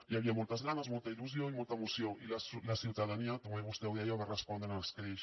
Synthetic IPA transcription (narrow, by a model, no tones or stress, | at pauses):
iaβiamult̪azɣanazmult̪ailus̬joŋimult̪aemosjoŋilaslasjuwðaðaniak̪omeβust̪ewðiajomerespond̪enalaskɾeʃ